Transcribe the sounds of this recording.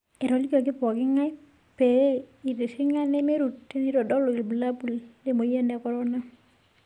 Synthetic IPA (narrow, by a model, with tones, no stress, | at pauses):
ɛ˨ɾɔ˨li˦kɔ˨k̬ɪ˦pɔ˨ɡɪ˦ŋa˦j | pe˨˦i˨ɾe˨si˦ŋa˦nɛ˦me˦ɾu˨tːe˦ni˦ɾɔ˨dɔ˦lɔ˨i˨lbu˨la˦bu˨lde˦mo˨je˦ndɛ˨kɔ˨ɾɔ˦na˦